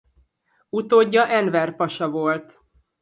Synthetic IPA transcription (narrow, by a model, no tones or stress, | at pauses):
ut̪oːɟːɒʔɛnvɛrpɒʃɒvolt̪